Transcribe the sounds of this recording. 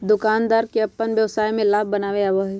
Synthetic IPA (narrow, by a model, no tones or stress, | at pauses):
d̪ʊkaːnd̪aːɾkeɐpːənʋjɐʋsaːjmẽlaːbbɐnaːʋeaʋəɦɛ